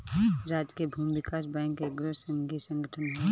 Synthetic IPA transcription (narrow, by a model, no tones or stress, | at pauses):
ɾaːd͡ʒkebʱuːmʋɪkaːsbɛ̃ːŋkːeɡɾəɾsə̃ŋɡisə̃ŋɡʱəʈʰənɦe